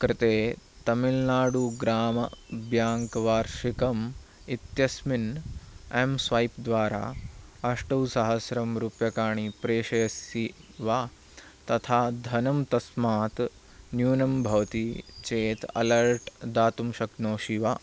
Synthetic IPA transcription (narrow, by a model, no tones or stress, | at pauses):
kɾɪt̪eː | t̪ɐmilnaːɽuɡɾaːmɐ̰bjaːŋkɐʋaːɾʃikɐm | it̪jɐsmin | emsʋɐjpd̪ʋaːɾa̰ːɐʂʈɐwsɐɦɐsɾɐmɾupjɐkaːɳ̃ipɾeːʃɐjɐsjiʋaː | t̪ɐt̪ʰaːd̪ʱɐnɐmt̪ɐsmaːt̪ | njuːnɐmbʱɐʋɐt̪it͡ʃeːt̪ɐ̰lɐɾʈd̪aːt̪umʃɐknoːʃiʋaː